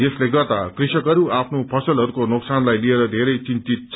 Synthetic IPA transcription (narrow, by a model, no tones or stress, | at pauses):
esleɡʌt̪akrisʌkɦʌɾuʔapʰnopʰʌsʌlɦʌɾukonoksanlajlieɾʌd̪ʱeɾʌjt͡sint̪it̪̚t͡sʰ